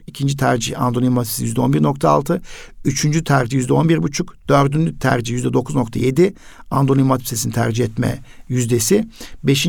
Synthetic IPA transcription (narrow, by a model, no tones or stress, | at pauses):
icʰind͡ʒit̪ʰæɾd͡ʒihand̪onʲimat̪ʰi̥psijyzd̪ɛo̞nbiɾnok̚t̪ʰa̰ːlˠt̪ʰɯyt͡ʃʰynd͡ʒyt̪ʰæɾd͡ʒijyzd̪ɛo̞nbiɾbut͡ʃʰukd̪̥øɾd̪ynd͡ʒyt̪ʰæ̰ɾd͡ʒijyzd̪ɛd̪o̞kʰuzno̞k̚t̪ʰa̰je̞d̪i | and̪onʲimat̪ʰi̥psesinit̪ʰæ̰ɾd͡ʒiɦɛt̪mɛ̰jyzd̪e̞sibe̞ʃin